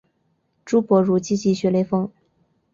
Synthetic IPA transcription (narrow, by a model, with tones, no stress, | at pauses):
ʈ͡ʂu˥pwɔ˧˥ɻu˧˥t͡ɕi˥t͡ɕi˥˩ɕɥɛ˧˥le˧˥ɪfɤ˥ŋ